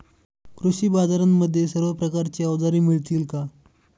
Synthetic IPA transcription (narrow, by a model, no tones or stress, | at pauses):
kɾuɕiːbad͡zaɾamːəd̪ʱːjesəɾʋapɾəkaɾt͡ɕiːəʋd͡z̪aɾiːmiɭt̪iːlka